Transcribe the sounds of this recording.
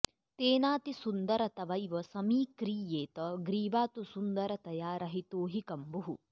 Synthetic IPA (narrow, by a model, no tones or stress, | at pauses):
t̪eːnaːt̪isund̪ɐɾɐt̪ɐʋɐjʋɐsɐmiːkɾiːjeːt̪ɐɡɾiːʋaːt̪usund̪ɐɾɐt̪ɐjaːɾɐɦit̪oːɦikɐmbuɦṵ